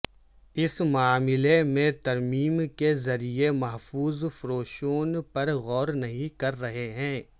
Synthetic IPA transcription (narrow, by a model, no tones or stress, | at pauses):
ɪsmaːmɪlemẽt̪ɐɾmiːmkezɐɾiemɐɦfuːzfɾoːʃoːnpɐɾɣɔːɾnɐɦĩkɐɾːɐɦeɦɛ̃ː